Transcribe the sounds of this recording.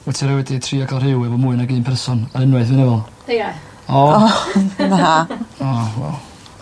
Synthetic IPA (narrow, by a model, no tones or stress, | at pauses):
wɛtʰiɾɛwɛditʰriːɔɡalˠrhɪwɛvɔmuɨnaɡiːnpʰɛrsɔnaənwaɨθvɨnɛvɛlˠd | ɔ | maɦaɔwɛ̰lˠ